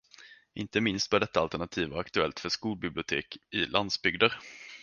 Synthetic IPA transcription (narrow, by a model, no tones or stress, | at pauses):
ʔɪ̰nt̪əmɪnst̪̚bœːɖɛt̪ːaalt̪æɳat̪ʰiːvaakt̪ɵɛlt̪fœʂkuːlbɪblɪʊt̪ʰeːkɪlʔand̪sbʏɡd̪əɾ